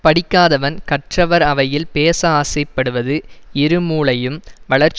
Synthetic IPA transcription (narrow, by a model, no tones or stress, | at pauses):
pɐɽɪkːaːðɐʋɐnkɐʈrɐʋɐɾɐʋɐjɪlpeːsɐaːsɐɪpːɐɽɯʋɐðɯɪɾɯmuːɭɐjɯmʋɐɭɐɾt͡ʃ